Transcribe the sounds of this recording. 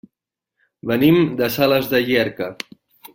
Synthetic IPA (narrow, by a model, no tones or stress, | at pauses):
βənimd̪əsaləzðəʒɛɾkə